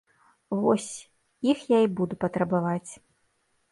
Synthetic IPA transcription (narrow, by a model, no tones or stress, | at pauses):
vɔsʲ | ixjaibud̪upɐt̪ɾɐbavat͡sʲ